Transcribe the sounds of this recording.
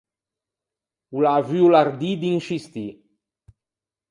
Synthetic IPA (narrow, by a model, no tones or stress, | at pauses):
ulavyulaɾd̪id̪inʃist̪i